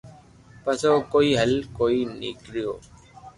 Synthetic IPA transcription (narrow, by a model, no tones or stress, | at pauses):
pɐsoːkoːiːɦɐlkoːiːnɪ̰kɾɪjoː